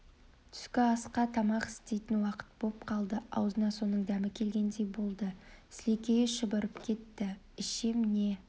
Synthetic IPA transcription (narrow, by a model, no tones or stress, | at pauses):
t̪ʰʏ̥skʲɪɑsqɑt̪ʰɑmɑqɪ̥st̪e̞jt̪ɪnwɑqə̥t̪̚bopqʰɑlˠd̪əɑwzənɑso̞nəɴd̪æmɪkʲʰe̞lɡʲe̞nd̪e̞jbo̞lˠd̪əslekʲejʃəbəɾəpkʲʰe̞t̪ːɪ | ɪʃemne̞